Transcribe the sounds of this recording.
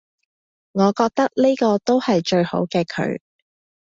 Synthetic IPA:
ŋɔː˨˧kɔː˧k̚t̪ɐ˥k̚ni˥kɔː˧t̪o˥whɐ˨jt͡ʃɵ˧ɥho̰˨˥wkɛː˧kʰɵ̰˨˧ɥ

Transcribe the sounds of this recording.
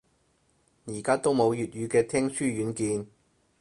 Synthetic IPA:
jiː˨˩kaː˥t̪o˥wmo˨˧wjyː˨t̚jyː˨˧kɛː˧t̪ʰɛː˥ŋsyː˥jyː˨˥nkiː˧n

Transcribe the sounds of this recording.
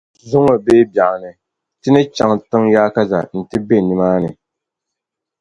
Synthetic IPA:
zu˦ŋo˨be˦bja˨ʔnɨ˨ | tɨ˦nɨ˦t͡ʃa˨ŋtɨ˦ŋjaː˦ka˦za̰˨n̩˨tɨ˦be˦˨ni˨maː˦nɨ˨

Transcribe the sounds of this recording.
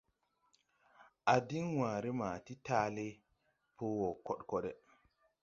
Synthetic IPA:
ʔa˨di˦ŋwãː˨ɾe˦ma˨ti˦ta˦le˦ | pʰoː˦wo˨kɔ˦ɗko˦ɗe˨

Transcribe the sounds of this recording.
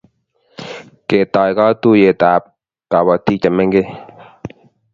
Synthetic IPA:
ke˨t̪aː˨jka˦t̪u˦je˨t̪aː˨p̚ | ka˨ba˨t̪iː˦t͡ʃə˨me˦ŋɡe˦˨

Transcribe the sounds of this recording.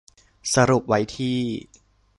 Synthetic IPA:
sa˧ɾu˨˩p̚wa˦˥jt̪ʰiː˥˩

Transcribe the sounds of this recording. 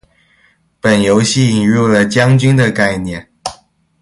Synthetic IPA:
pə˨˩njo˧˦˥ʊɕi˥˩i˨˩ŋɻu˥˩lə˨t͡ɕjɑ˥ŋt͡ɕy˥nd̪ə˨ka˥˧ɪnjɛ˥˨n

